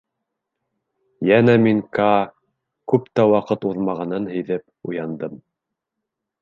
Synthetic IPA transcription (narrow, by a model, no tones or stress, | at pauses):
jænæmiŋkɑ | kʉpt̪æwɑqɤt̪uðmɑʁɑnɤnɦɘ̆jðɘp̚ | ṵjɑnd̪ɤm